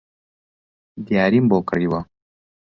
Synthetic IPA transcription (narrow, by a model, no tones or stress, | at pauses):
d̪jaːɾimbokəɽiwa